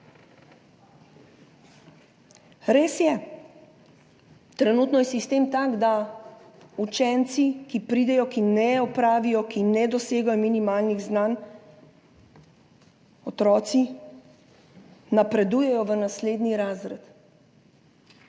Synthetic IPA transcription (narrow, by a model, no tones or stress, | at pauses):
ɾeːsjɛ | t̪ɾɛnuːt̪nɔjɛsist̪eːmt̪aːɡd̪a | ut͡ʃɛnt̪sikipɾiːd̪ɛjɔkinɛɔpɾaːʋijɔkinɛd̪ɔseːɡajɔminimaːlniɣznaːn | ɔt̪ɾɔːt̪si | napɾɛd̪ujɛjɔʋənasleːd̪niɾaːzɾɛt̪